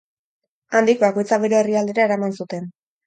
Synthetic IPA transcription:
and̪ikbako̞jt͡saβeɾo̞eriald̪e̞ɾae̞ɾamansut̪e̞n

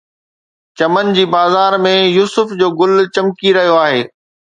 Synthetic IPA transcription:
t͡ɕɐmənd͡ʑiːbaːzaːɾmẽjuːsʊfd͡ʑoːɡʊlt͡ɕɐmkiɾɐɦijoaːɦeː

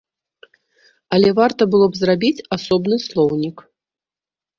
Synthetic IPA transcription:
ɐlʲɛvart̪ɐbɨlˠɔbzrabʲit͡sʲasɔbnɨslˠɔwnʲik

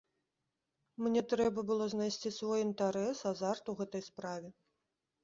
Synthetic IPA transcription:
mnʲɛt̪ɾɛbɐbɨlˠɔznajsʲt͡sʲisvɔjint̪aɾɛsazart̪uɣɛt̪ɐjspɾavʲɛ

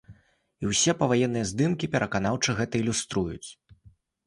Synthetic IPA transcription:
iwsʲɛpɐvajɛnːɨjɐzd̪ɨmkʲipʲɛɾʔɐkan̪awt͡ʂɨɣɛt̪ɐilʲust̪ɾujṵt͡sʲ

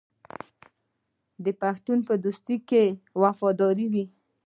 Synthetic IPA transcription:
d̪əpaxt̪unpəd̪ust̪ikːewafɑd̪ɑɾiwi

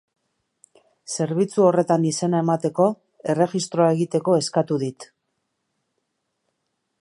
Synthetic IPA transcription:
se̞ɾβit͡suo̞re̞t̪anise̞nae̞mat̪e̞ko̞ | e̞re̞ʝist̪ɾo̞ae̞ɣit̪e̞ko̞e̞skat̪uðit̪

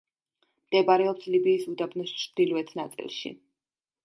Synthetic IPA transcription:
md̪̥ɛbaɾɛɔpslibiːsud̪abnɔst͡ʃʰd̪̥ilvɛt̪ʰnat̪sʼḭlˠʃḭ

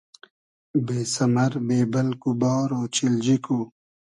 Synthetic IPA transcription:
beːsɐmɐɾbeːbɐlkubaːɾoːt͡ɕild͡ʑikuː

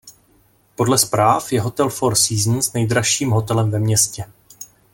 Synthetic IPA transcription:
po̞dlɛspɾaːfjɛɦo̞t̪ɛlfo̞ɾsiːzn̩snɛjd̪ɾaʃiːmɦo̞t̪ɛlɛmvɛmɲɛscɛ

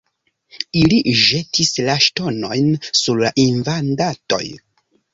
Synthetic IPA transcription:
iliʒe̞tʰislaʃto̞no̞jnsuɾlaʔinvandato̞̰j

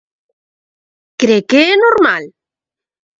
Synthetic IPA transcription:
kɾekeenoɾmal

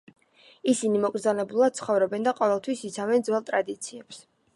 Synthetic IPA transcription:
isinimɔkʼɾzanɛbulˠad̪̥̚t̪sʰχɔvɾɔbɛnd̪aqʼɔvɛlˠt̪ʰwisit̪sʰavɛnd̪zwɛlˠt̪ʼɾad̪it̪sʰiɛps

